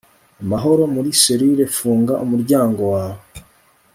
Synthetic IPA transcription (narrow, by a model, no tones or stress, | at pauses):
amaɦo̞ɾo̞muɾiseɾiɾe̞fuːŋɡaʔumuɾɟaːŋɡo̞waːwo